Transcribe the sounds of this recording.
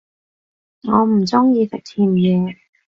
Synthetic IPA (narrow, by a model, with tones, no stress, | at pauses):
ŋɔː˨˧m̩˨˩t͡sʊ˥ŋjiː˧sɛ˨k̚tʰiː˧m̩˨˩jiː˨˧˩